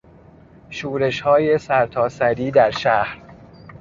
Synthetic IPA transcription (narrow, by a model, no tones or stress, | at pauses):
ʃuːɾe̞ʃhɒːje̞sæɾt̪ʰɒːsæɾiːd̪æɾʃæhɾ